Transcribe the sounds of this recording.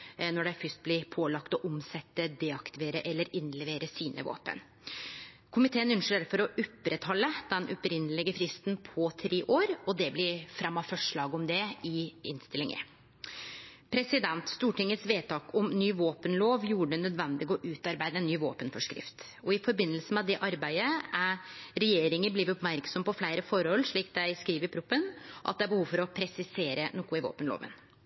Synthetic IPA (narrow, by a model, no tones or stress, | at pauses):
nɔɖæɪfʏst̪̚blɪɾpʰoːlɑkt̪ɔʔʊmsɛt̪ːəd̪eːɑkt̪ɪʋeːɾəʔɛlːəɾɪnlɛʋeːɾəsiːnʔə̰ʋo̰ːpə̰n | kʰʊmɪt̪ʰeːənʏnʂeːɾfɔɾɔʔʉpːɾət̪hɔlːəd̪̥ɛnʔɔpɾɪnəlɪɡəfɾɪst̪npʰɔt̪ʰɾeːʔoːɾɔd̪ɛblɪɾfɾɛmːɑfœʂɭɑːɡɔmd̪ɛɪɪ̰nst̪ɪlɪŋə̰ | pʰɾɛsɪd̪ɛnt̪st̪uːʈɪŋːət̪sʋeːt̪ɑːkɔmnyːʋoːpənloːʋjuːəɖ̪ɛnœd̪ʋɛnd̪ɪɡɔʔʉːt̪ɑɾbæɪd̪əɛnːyːʋo̰ːpənfɔʂkɾɪ̰ft̪ | ɔɪfɔɾbɪnːəlsəmɛd̪ɛʔɑɾbæɪd̪əæɾɛjeːɾɪŋəbliːʋəɾɔpmæɾksɔmpɔflæɪɾəfɔɾhɔlːʂɭiːk̚d̪æɪskɾiːʋəɾpʰɾʊpːənʔɑ̰t̪̚d̪ɛæɾbəhuːʋfɔɾɔpʰɾɛsɪseːɾənoːkʊɪʋo̰ːpənlo̰ːʋə̰n